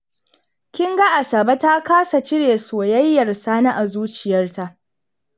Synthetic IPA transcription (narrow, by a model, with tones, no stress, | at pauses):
kʲɪ˦ŋɡa˦ʔa˨sa˨ba˦ta˦kaː˦sa˨t͡ʃɪ˦ɽeː˨soː˨jɐ˦jːɐ˨rsaː˦na˦ʔa˨zuː˦t͡ʃɪ˨jɐ˦rta˦ʔ